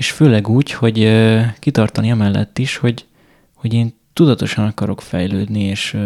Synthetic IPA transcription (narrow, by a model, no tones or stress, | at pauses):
eːʃføːlɛɡuːcho̞ɟkit̪ɒrt̪ɒniɒmɛlːɛ̰t̪ːiʃho̞ɟ | ho̞ɟeːn | t̪ud̪ɒt̪o̞ʃɒnɒkɒɾo̞kfɛ̰jløːd̪nieːʃ